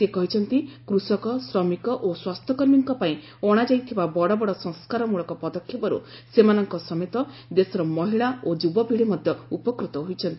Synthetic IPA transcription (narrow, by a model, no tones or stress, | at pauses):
sekɔɦit͡ʃʰɔnt̪ikɾusɔkɔsɾɔmikɔʔoswast̪ʰɔkɔɾmiŋkɔpaĩ | ɔɽ̃ad͡ʒajt̪ʰibabɔɽɔbɔɽɔsɔ̃ŋskaɾɔmuɭɔkɔpɔd̪ɔkʰːjipɔɾṵ | semanɔŋkɔsɔmet̪ɔ | d̪esɔɾɔmɔɦiɭaod͡ʒubɔbʱiɽemɔd̪ʱjɔupɔkɾut̪ɔɦojt͡ʃʰɔnt̪ii